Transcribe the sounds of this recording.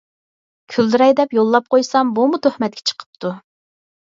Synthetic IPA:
kʲʰyld̪yɾɛjd̪ɛpjolˠːɑp̚qʰojsɑmbumut̪ʰøhmɛt̪̚kʲʰɛ̥t͡ʃʰə̥qʰə̥p̚t̪ʰu

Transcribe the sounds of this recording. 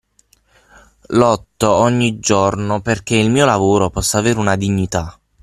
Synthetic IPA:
lɔt̪ːoɔɲːid͡ʒornoperk̟eilmiːolavoːɾopɔsːaːveːɾunad̪iɲːit̪a

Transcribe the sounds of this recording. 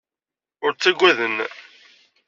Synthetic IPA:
ʊɾt͡sːæɡʷæðən

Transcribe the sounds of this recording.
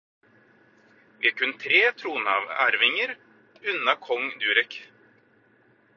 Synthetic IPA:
vɪkʰɵnːət̪ʰɾeːt̪ʰɾuːnhɑ̰væ̰ɾvɪŋəɾ | ʉnːakʰɔŋd̪ʉːɾɛk

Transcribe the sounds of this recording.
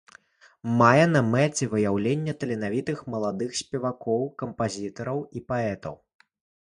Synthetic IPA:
majɛn̪ɐmɛt͡sʲɛvɨjawlʲenʲːɐt̪ɐlʲɛnavʲit̪ɨxmɐlˠad̪ɨxsʲpʲɛvakɔwkɐmpazʲit̪ɐɾɐwipaɛt̪ɐ̰w

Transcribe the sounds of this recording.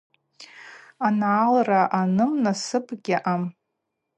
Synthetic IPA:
analraʔanɨmnasɨpʰʼɡʲɪʔam

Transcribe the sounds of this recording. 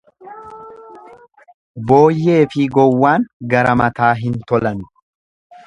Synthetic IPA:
bo̞ːjːe̞ːfɪɡɔwːaːŋɡɐɾɐmɐt̪aːɦɪnt̪ɔlɐnʊ̥

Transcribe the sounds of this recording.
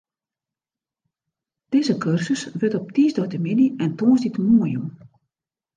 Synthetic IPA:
d̥ɪzəkʰørsəsʋɪtɔp̚tiːzdɔɥtəminiɛntoːsditmuəjum

